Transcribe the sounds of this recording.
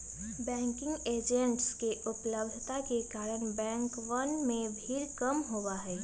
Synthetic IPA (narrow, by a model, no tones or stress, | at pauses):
bɛ̃ːŋkɪ̃ŋɡeːd͡ʒə̃ɳʈskeʔʊpləbd̪ʱt̪akekaːɾəɽ̃bɛ̃ːŋkʋɐnmẽbʱiːɾkɐmɦowaɦɛː